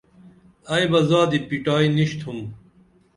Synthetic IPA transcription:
ɐjbɐzaːd̪ipiʈaːiniɕt̪ʰhum

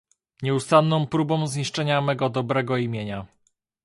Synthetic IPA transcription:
ɲɛust̪anːɔ̃m̃pɾubɔ̃w̃zɲiʂt͡ʂɛɲamɛɡɔd̪ɔbɾɛɡɔimʲjeɲa

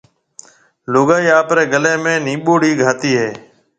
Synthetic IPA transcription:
loːɡaːiːaːpɾeːɡəlẽːmẽːnĩːɓoːɽiːɡʱaːt̪iːɦɛː

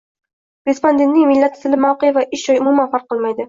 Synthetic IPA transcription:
ɾespond̪ent̪nɪŋmɪlːat̪ɪt̪ʰɪlɪmawqejavaʔɪʃd͡ʒɒjʊmumanfaɾq̚ʰːɨlˠmajd̪ɪ

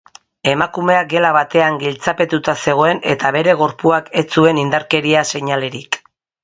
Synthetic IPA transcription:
e̞makume̞ak̚ɡe̞laβat̪e̞aŋɡilt͡sape̞t̪ut̪ase̞ɣ̞o̞e̞ne̞̰t̪aβe̞ɾe̞ɣ̞o̞ɾpuake̞t͡sue̞nind̪aɾke̞ɾiase̞ɲale̞ɾik

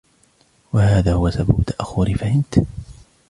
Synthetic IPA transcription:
wahaːðaːhʊwasababʊt̪ːaʔaxːʊɾɪfahɪnt̪

